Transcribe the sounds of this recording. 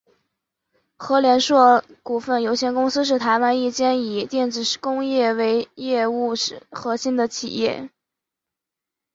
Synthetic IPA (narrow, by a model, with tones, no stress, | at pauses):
xɤ˧˥ljɛ˧˥nʂwɔ˥˩ku˨˩fə˥˩njo˧˥ʊɕʰjɛ˧˥nkʊ˥ŋsɹ̩˥ʂ̬ɻ̩˥˩t̪ʰa˧˥ɪwa˧˥ni˥˩t͡ɕjɛ˥ni˨˩t̪jɛ˥˩nt͡sɹ̩˨˩˥kʊ˥ŋjɛ˥˩we˧˥ɪjɛ˥˧u˥˩ʂɻ̩˨˩xɤ˧˥ɕi˥nd̪ə˨t͡ɕʰḭ˨˩jɛ̰˥˩